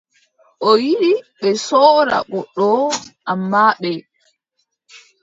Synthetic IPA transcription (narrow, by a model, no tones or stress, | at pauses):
ʔɔjiɗiɓɛsɔːɾa̰ɓɔɗːɔʔamːaːɓɛ